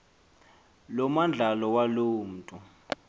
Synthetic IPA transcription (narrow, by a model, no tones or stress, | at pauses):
lɔmand͡ɮʱalɔwaloːm̩tʼu